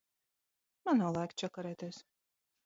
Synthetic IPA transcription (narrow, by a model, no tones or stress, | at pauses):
manaːlˠajkt͡ʃʲakaɾɛːt̪ʲeːs